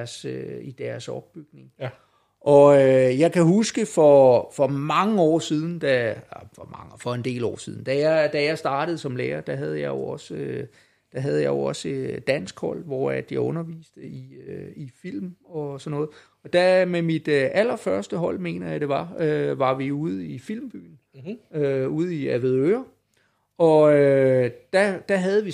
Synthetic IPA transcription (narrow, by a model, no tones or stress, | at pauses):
ɐsøid̥æɐsɒ̽b̥̚ːyɡ̥ne̝ŋ | ʔɒ̽øjɑ̈ɪkʰæhusɡ̥əfɒ̽fɒ̽mɑ̈ŋəɒ̰ːsiːð̞ˠn̩d̥æfɒmɑŋfɒ̽e̝nd̥e̝̰ːlɒ̰ːsiðˠn̩d̥æjɑd̥æjɑ̈ɪsd̥ɑ̈ːɾ̥əð̩ˠsɒ̽mleːɐd̥æɦæð̞ˠəjɑ̈ɪjo̝ɒ̽sø | d̥æɦæð̞ˠjɑ̈ɪjo̝ɒ̽səd̥æn̰sɡ̥hɒ̽l̰ʋɒ̰ːæd̥jɑ̈ɪɔ̽nɐʋḭːsd̥əiøifil̰mɒ̽sɒnːɔ̽ːð̩ˠ | ɒ̽d̥æmemid̥øæl̰ɐfɶɐsd̥əɦɒ̽l̰me̝̰ːnɐjɑ̈ɪd̥e̝ʋɑ̈øʋɑ̈ʋiuð̞̩ˠifil̰mb̥y̰ːn̩ | øuð̞̩ˠiæʋeð̩ˠøːɐ | ɒ̽ød̥æd̥æɦæð̞ˠəʋi